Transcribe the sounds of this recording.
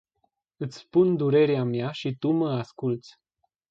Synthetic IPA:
ɨt̪sʲspund̪uɾe̞ɾeamjaʃit̪uməaskult̪sʲ

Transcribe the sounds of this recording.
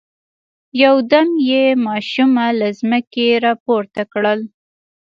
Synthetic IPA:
jawd̪amjemɑʃumalazməkeɾɑpoɾt̪akɽəl

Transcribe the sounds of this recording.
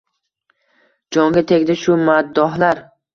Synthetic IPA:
d͡ʒɒŋɡʲat̪ʰeɡʲd̪aʃʊmad̪ːɒɦlaɾ

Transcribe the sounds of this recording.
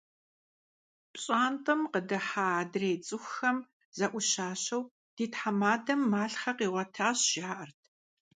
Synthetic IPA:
pɕʼaːntʼɐmqədɐħaːdreːt͡sʼɨxxɐm | zɐʔʷʊʃaːɕɐw | d̥iːtħamaːdɐmːaːɬχɐqiːʁʷɐtʰaːɕʒ̥aːʔɐrtʰ

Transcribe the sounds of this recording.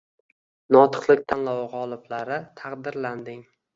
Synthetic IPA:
nɒt̪ʰɨ̥qlˠɪkʲt̪ʰanlawʁɒlˠɪblaɾɪt̪ʰaqd̪ɪɾland̪ɪŋ

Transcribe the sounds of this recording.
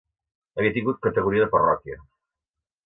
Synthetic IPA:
əβiət̪iŋɡut̪̚kət̪əɣuɾiəðəpərɔ̰kiə̰

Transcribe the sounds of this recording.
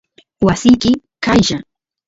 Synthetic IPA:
wasɪjkɪ | kajʒa

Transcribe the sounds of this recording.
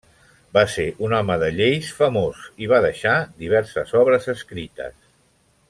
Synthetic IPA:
baseʔunɔməðəʎejsfəmoziβ̞aðəʃad̪iβ̞ɛɾsə̰zɔβɾəzəskɾit̪ə̰s

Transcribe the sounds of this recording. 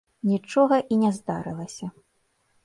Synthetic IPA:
nʲit͡ʂɔɣɐʔinʲɛzd̪aɾɨlˠɐsʲɐ

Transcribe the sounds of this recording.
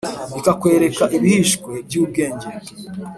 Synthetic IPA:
ikakwe̞ɾe̞kaʔiβihiʃkwe̞bɟuːbɡeːɲɟeɾ

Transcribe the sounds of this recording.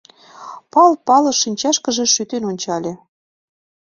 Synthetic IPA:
pɑlpɑlɤ̆ʃinʲt͡ɕɑʃkə̆ʒĕʃyt̪enonʲt͡ɕɑlʲe

